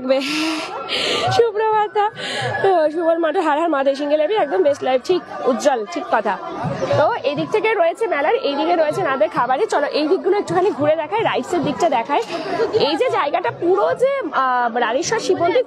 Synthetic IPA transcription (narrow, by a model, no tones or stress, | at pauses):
kbe | ʃubɾobaat̪oʃ̬uboɾmaʈeɦaɾaɾmad͡ʑ̪ʱeʃ̬iŋɡelebiɛk̚d̪ombeʃʈlajb̚ʈʰikut̪ːd͡ʑolʈʰikːɔt̪ʰat̪oejd̪ik̚t̪ʰekeɾoeet͡ɕʰemɛlaɾejd̪ikeɾojet͡ɕʰenad̪eɾkʰabaɾit͡ɕɔloʔejd̪ik̚ɡuloek̚ʈukʰaneɡʱuɾed̪ɛkʰaeɾajʈseɾd̪ik̚ʈad̪ɛkʰaeejd͡ʑed͡ʑaeɡaʈapuɽod͡ʑeɾaniʃɔɾʃibont̪i